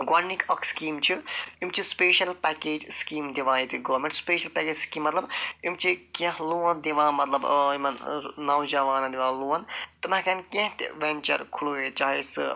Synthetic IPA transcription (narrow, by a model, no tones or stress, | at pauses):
ɡɐɾnikɐkʰskiːmt͡ʃʰiimt͡ʃʰispeːʃɐlpɛkeːd͡ʒskiːmd̪iʋãːit̪iɡoːɾmẽɳʈspeːʃɐlpɛkeːd͡ʒskiːmːɐt̪lɐbimt͡ʃʰikẽɦluɐ̃nd̪iʋãːmɐt̪lɐbimɐnnɐwd͡ʒɐʋaːnɐd̪iʋãːluːɐnt̪umakankẽɦt̪ʋenʲt͡ʃɐ̰ɾkʰuluːet͡ʃaːɦisɨ̰